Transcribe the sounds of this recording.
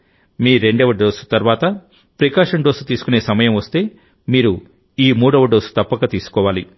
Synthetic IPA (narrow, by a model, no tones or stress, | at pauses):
miːɾe̞ɳɖɐʋɐɖɖoːsu̥t̪ɐɾʋaːt̪ɐ | pɾɐkaːʂɐɳɖoːsu̥t̪iːsu̥kune̞ːsɐmɐjɐmʋɐst̪e̞ː | miːɾu | iːmuːɽɐʋɐɖoːsu̥t̪ɐpːɐkɐt̪iːsu̥kɔːʋaːli